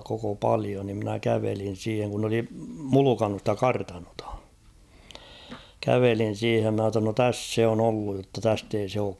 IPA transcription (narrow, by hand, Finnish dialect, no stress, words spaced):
koko pɑlio ni mnæ kæʋelin̞ siːheŋ kun n oli mulukɑnːu stæ kɑrtɑnotɑ̥ kæʋelin̞ siːhem mɑ tːɑ no tæsː se on olːuj jotːɑ tæst ei se oːk